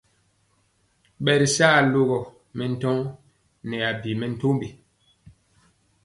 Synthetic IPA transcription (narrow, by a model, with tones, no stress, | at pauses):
ɓɛ˨ɾi˨saː˦˨lo˦ɣɔ˨ | mɛ˨n̩˦tɔ˦ŋ | nɛ˨a˨bi˨mɛ˨n̩˦to˦mbi˨